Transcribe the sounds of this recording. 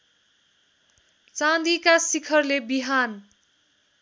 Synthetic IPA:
t͡sãd̪ikasikʰʌrlebiɦan

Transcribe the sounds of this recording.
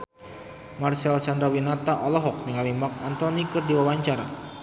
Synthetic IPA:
marsɛlsandɾawinat̪aʔɔlɔɦɔk̚nəŋalimakant̪ɔnikɨrdiwawaɲt͡ʃaɾa̰

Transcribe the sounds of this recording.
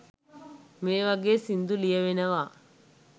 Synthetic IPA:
meːʋɐɡeːsind̪ulijɐʋenɐʋaː

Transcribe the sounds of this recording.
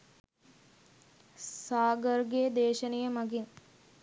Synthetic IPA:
saːɡərɡed̪eːʃənejəmaɡiŋ

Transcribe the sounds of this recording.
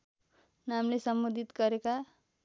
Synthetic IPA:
namlesʌmbod̪ʱit̪ɡʌɾeka

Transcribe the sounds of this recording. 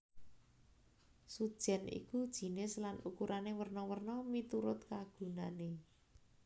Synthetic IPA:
sud̥ʒ̥ɛ̤nʔḭkud̥ʒ̥i̤nɪslanukuɾʔanewərnɔwərnɔmit̪uɾʊt̪kaɡ̥ṳnane

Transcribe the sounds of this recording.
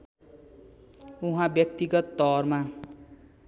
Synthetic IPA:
uɦãbjʌk̚t̪iɡʌt̪ːʌrma

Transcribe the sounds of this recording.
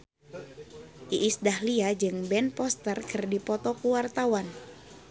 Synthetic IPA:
ʔiʔːsdahliad͡ʒɨŋbɛnpɔst̪ərkɨrdipɔt̪ɔkuwart̪awan

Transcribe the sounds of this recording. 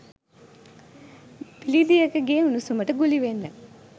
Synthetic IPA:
b̥ilid̪ijɐkɐɡeːunusuməʈəɡuliʋenːə

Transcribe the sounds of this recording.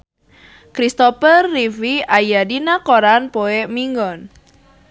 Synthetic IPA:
kɾist̪opərːifiajadinakoɾanpoemiŋɡɔn

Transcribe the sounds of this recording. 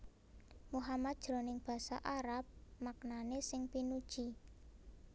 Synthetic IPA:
muɦamat̪̚d̥ʒ̥ɾo̤nɪŋb̥ä̤sa̰ʔaɾap̚mak̚nanesɪŋpinud̥ʒ̥i

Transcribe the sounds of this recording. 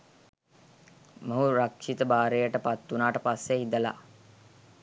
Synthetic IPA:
məɦuɾakʂit̪əbaːɾejəʈəpat̪ːunaːʈəpasːeɦid̪əla̰

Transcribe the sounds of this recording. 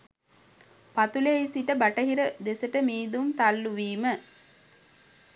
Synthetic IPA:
pat̪uleisiʈəbaʈəɦiɾəd̪esəʈəmiːd̪umt̪alːuʋiːmə

